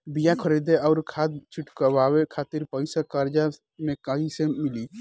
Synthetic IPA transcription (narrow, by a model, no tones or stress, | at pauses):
bijakʰəɾid̪eɔːɾkʰaːt̪̚t͡ʃʰɪʈkəwaːwekʰaːt̪ɪɾpəɪsakaːɾd͡ʒa | mẽkaɦĩsemɪli